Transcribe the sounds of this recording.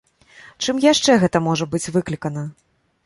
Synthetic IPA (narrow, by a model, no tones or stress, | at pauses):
t͡ʂɨmjaʂt͡ʂɛɣɛt̪ɐmɔʐɐbɨt͡sʲvɨklʲikɐnɐ